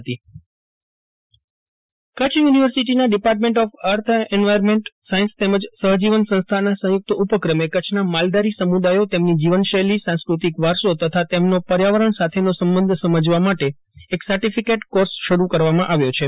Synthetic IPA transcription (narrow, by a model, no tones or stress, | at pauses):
t̪i | kət͡ʃʰjuniʋəɾsiʈ̬inaɖipaɾʈ̬mẽɳʈɔfəɾt̪ʰɛɳʋajəɾmeɳʈsaĩnst̪eməd͡ʒsəɦd͡ʒiʋənsə̃ñst̪ʰanasə̃ɦjʊk̚t̪əupəkɾəmekət͡ʃʰnamald̪aɾisəmud̪ajot̪emnid͡ʒiʋənʃəlisãskɾut̪ikʋaɾʃot̪ət̪ʰat̪emnopəɾjaʋəɾəɳsat̪ʰenosəmbənd̪ʱsəməd͡ʒʋamaʈe | eksəɾʈifikeʈkoɾsʃəɾukəɾʋamãʔaʋjot͡ʃʰe